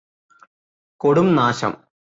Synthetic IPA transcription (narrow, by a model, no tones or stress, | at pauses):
koɽumnaːɕɐ̰m